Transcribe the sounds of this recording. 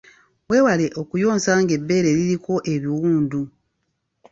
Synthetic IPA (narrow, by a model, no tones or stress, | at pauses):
we̞ːwale̞ʔo̞kujo̞ːnsaːŋɡe̞bːe̞ːɾe̞ɾiɾiko̞ʔe̞βiwuːndu